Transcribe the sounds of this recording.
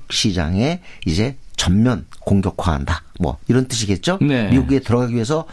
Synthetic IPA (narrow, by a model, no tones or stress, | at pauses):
k̚ɕʰid͡ʑa̰ŋe̞id͡ʑe̞t͡ɕʌmmjʌnkoŋɡjʌkʰwaɦa̰ndamwʌ̰iɾʌnt͈ɯɕ̬ʰiɡe̞t̚t͡ɕ͈onemiɡuɡe̞tɯɾʌɡaɡiɥie̞s̬ʰʌ